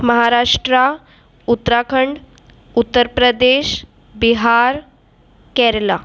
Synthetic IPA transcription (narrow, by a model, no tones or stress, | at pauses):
məɦaɾaʂʈɾa | ut̪ːɾakʰəɳɖ | ut̪ːəɾpɾəd̪eɕ | biɦaɾ | kɛɾla